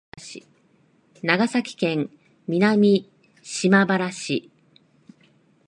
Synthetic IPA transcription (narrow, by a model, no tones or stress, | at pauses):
i | naɡasakʲi̥kẽ̞ŋ | mʲinamʲi | ɕimabaɾaɕi